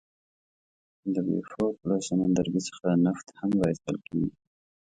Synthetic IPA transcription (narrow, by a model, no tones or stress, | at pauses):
d̪əbḛfɑplɑsanand̪aɾɡisə̥xanaft̪hamɾɑjst̪əlkeɡi